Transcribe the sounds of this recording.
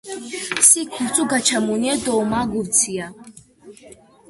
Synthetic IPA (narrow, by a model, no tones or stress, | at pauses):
sikʰuɾt͡sʼuɡat͡ʃʰamuniɛd̪ɔmaːɡuvt͡sʰija